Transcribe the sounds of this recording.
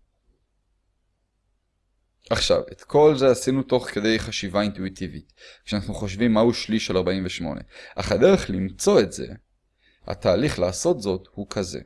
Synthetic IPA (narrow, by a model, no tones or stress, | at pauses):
aχʃa̰vet̪kʰo̞lze̞asinuto̞χke̞de̞jχaʃivaintuitʰivitkʃeanaχnuχo̞ʃvimːahuʃliʃelaʁbaimveʃmo̞̰nʔe̞̰ʔa̰χade̞ʁe̞χlimt͡so̞e̞tze̞̰ | ha̰t̪ʰaːliχlaːso̞tzo̞thukʰaze̞̰